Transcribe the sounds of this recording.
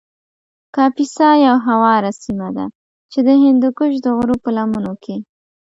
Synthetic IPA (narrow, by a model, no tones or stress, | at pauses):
kɑpisɑjawɦawɑɾasimad̪a̰ | t͡ʃed̪əɦɪnd̪ukʊʃd̪əɣɾopəlamunokʰe